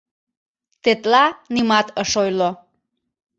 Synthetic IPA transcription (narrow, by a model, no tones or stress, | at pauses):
t̪et̪lɑnimɑt̪əʃojlo